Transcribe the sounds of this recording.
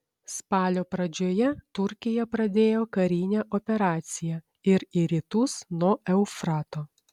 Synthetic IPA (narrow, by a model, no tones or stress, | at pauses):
spɑːlʲoːpɾɐd͡ʒʲoːjɛt̪ʊɾʲkʲɪjɛpɾɐd̪ʲeːjoːkɐɾʲiːnʲeʔɔpʲɛɾɑːt̪sʲɪjɛ | ɪɾiɾʲiːt̪ʊsnuɔʔɛʊfɾɑːt̪oː